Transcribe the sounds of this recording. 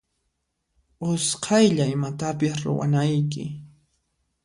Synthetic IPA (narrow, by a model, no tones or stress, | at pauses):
ʊsqʰɑjʎaɪmat̪apɪsɾʊ̰wa̰najk̬ɪ̰